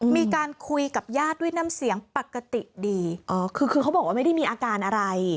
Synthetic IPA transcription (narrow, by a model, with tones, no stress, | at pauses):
miː˧kaː˧nkʰu˧jka˨˩p̚jaː˥˩t̪̚du˥˩jna˧˥msi˩˦əŋpa˨˩kːa˧t̪i˨˩ʔdiː˧ʔɔː˧˩kʰɯː˧kʰɯː˧a˦˥wbɔː˨˩k̚aː˥ma˥˩da˥˩jmiː˧ʔaː˧kaː˧nʔa˧ɾa˧j